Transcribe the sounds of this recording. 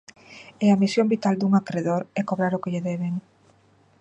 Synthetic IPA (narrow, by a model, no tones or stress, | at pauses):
ɛamisjombit̪ald̪uŋakɾeðoɾɛkoβɾaɾʊkɪʎeðɛβeŋ